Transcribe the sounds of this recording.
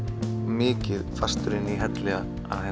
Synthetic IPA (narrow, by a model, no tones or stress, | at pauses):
mɪːcɪðfast̪ɾɪnːiɦɛt̪lɛːɣa | a̰ðhɛ